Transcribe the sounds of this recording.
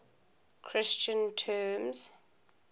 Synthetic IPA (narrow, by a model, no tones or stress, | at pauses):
kʰɹɪst͡ʃə̃ntʰɛmz̥